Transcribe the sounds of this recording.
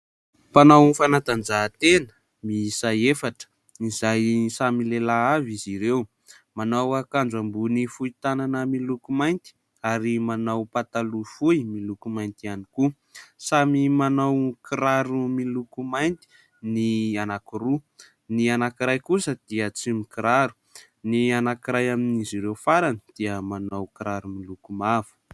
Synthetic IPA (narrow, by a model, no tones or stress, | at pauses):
panawnfanat̪and͡ʒat̪enə̥ | misajefaʈ͡ʂə̥ | izajsamilelaaviziɾew | manawakand͡zambunifuit̪ananəmilukumajnt̪i̥ | aɾimanawpat̪alufujmilukumajnt̪ianiku | samimanawkiɾaɾumilukumajnt̪i̥ | nianakuɾu | nianakiɾajkusəd̪̥iət͡simikiɾaɾu̥ | nianakiɾajaminiziɾewfaɾani̥d̪̥iəmanawkiɾaɾumilukumav̥u̥